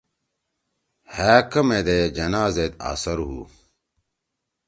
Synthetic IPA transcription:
haːkɐmed̪ed͡ʑɐnaːzet̪a̰ːsɐɾɦṵː

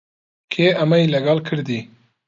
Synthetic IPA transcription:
kʰeamajlaɡɑlkʰəɾd̪i

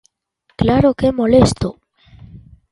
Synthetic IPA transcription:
klaɾokemolest̪o

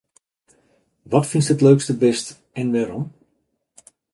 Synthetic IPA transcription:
ʋɔtfinstɦətløːkstəbɛst | ɛnʋaːɾɔm

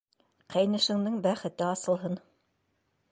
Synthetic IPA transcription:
qʰæjnɘ̆ʃɘ̆ŋd̪ɘŋbæχɘ̆t̪ɘɑsɤ̆lˠɦɤn

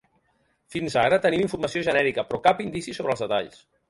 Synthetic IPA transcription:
finzaɾət̪ənimiɱfuɾməsioʒənɛɾikəpɾɔkapind̪isisoβɾəlzðət̪a̰ʎs

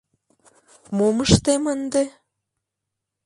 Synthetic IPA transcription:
moməʃt̪emənd̪e

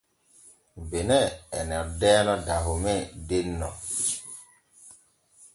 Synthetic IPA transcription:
benɛɛnɛɾdɛːnɔdaɦumɛdenːɔ̰

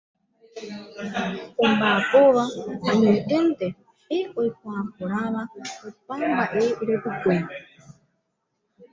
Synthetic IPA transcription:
embaːpoβaaɲeʔɨnt̪e | eoipaːpoɾaβaopambaʔeiɾepɨkʷene

